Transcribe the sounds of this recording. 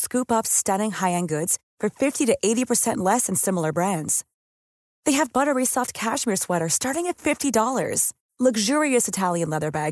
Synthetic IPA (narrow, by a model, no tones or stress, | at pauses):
skʉpʌpstʌɾɪ̃ŋhaɪɨ̃nɡʊdz̥fə˞fɪftiɾɨʔeɪɾipʰə˞sɛ̃nʔˡlɛsɨ̃n̩sɪ̃ml̩ˠə˞bɹæ̃ndz̥ | ðeɪɨvbʌɾə˞isɔft̚kʰæʃmiɹswɛɾə˞stɑɹɾɪ̃ŋɨtfɪftidɔlˠə̰˞z̥ | lʌɡʒʊɹiɨsɨtʰælˠjɨ̃nlɛðə˞bæɡ